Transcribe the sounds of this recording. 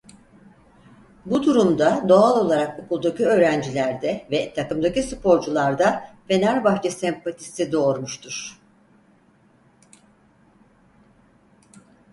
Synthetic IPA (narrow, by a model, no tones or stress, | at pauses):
bud̪uɾumd̪ad̪o̞alˠo̞lˠaɾakokulˠd̪aciø̞ːɾænd͡ʒilʲæɾd̪ɛvɛt̪ʰakɯmd̪acisɯpʰo̞ɾd͡ʒulˠaɾd̪afe̞naɾbaxt͡ʃʰesɛmpat̪ʰi̥sid̪o̞ːɾmuʃt̪ʰuɾ̥